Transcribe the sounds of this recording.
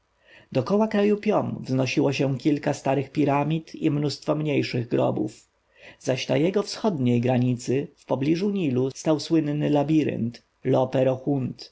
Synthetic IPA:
d̪ɔkɔwakɾajupʲjɔmvznɔɕiwɔɕɛ̃kʲilkast̪aɾɘxpʲiɾamʲit̪ḭmnust̪fɔmɲejʂɘɣɡɾɔ̰bṵf | zaɕnajɛɡɔfsxɔd̪ɲejɡɾaɲit̪sɘfpɔblʲiʐuɲilust̪awswɘnːɘlabʲiɾɘ̰nt̪ | lɔpɛɾɔxunt̪

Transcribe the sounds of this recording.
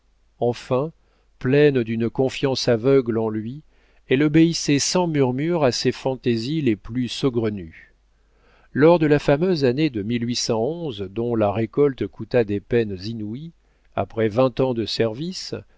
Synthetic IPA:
ɑ̃fɛ̃ | plɛnd̪ynkɔ̃fjɑ̃savœɡlɑ̃lɥi | ɛlɔbeisɛsɑ̃myʁmyʁasefɑ̃t̪ezileplysɔɡʁəny | lɔʁd̪əlafamøzaned̪əmilɥisɑ̃ɔ̃zd̪ɔ̃laʁekɔlt̪kut̪ad̪epɛnzinui | a̰pχɛvɛ̃t̪ɑ̃d̪əsɛʁvis

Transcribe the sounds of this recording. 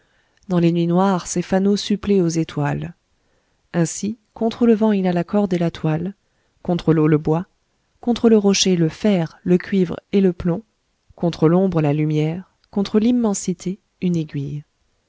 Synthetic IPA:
d̪ɑ̃lenɥinwaʁsefanosypleozet̪wal | ɛ̃sikɔ̃t̪χələvɑ̃ilalakɔʁd̪elat̪wal | kɔ̃t̪χəloləbwa | kɔ̃t̪χələʁɔʃeləfɛʁləkʲɥivʁeləplɔ̃ | kɔ̃t̪χəlɔ̃bʁəlalymjɛʁ | kɔ̃t̪χəlimːɑ̃sit̪ʰe | yneɡʲɥij

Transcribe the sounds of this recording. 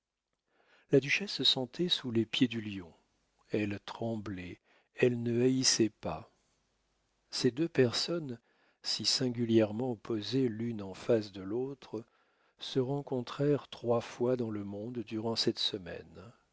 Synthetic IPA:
lad̪yʃɛsːəsɑ̃t̪ʰɛsulepjed̪yljɔ̃ | ɛlt̪χɑ̃blɛ | ɛlnəaisɛpa | sed̪øpɛʁsɔn | sisɛ̃ɡʲyljɛʁmɑ̃opozelynɑ̃fas̬d̪əlot̪χə | səʁɑ̃kɔ̃t̪χɛʁt̪χwafwad̪ɑ̃ləmɔ̃d̪ːyʁɑ̃sɛt̪səmɛ̰n

